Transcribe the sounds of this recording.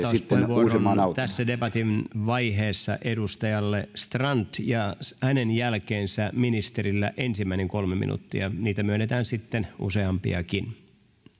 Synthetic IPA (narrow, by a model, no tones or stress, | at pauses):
sit̪ːeʋuoosroenɑnɑut̪æsːædepɑt̪inʋɑiɦeːsːɑ̰ʔedust̪ɑjɑlːest̪rɑnt̪jɑshænenjælkeːnsæminist̪eɾilːæʔensimːæineŋkolmemḭnṵt̪ːiɑniːt̪æmyønːet̪æːnsit̪ːenṵseɑmpḭɑ̰kin